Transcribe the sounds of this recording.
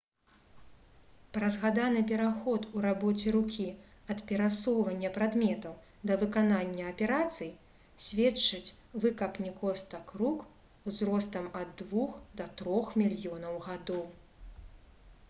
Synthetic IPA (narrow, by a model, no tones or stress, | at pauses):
pɾɐzɣad̪anɨpʲɛɾaxɔt̪uɾabɔt͡sʲɛɾukʲiɐt̪pʲɛɾasɔwvɐnʲːɐpɾad̪mʲɛt̪ɐw | d̪ɐvɨkananʲːɐːpʲɛɾat̪sɨj | sʲvʲɛt͡ʂːɨt͡sʲ | vɨkɐpnʲɛkɔst̪ɐkɾuk | uzɾɔst̪ɐmɐd̪ːvuxd̪ɐt̪ɾɔxmʲilʲjɔnɐwɣad̪ɔw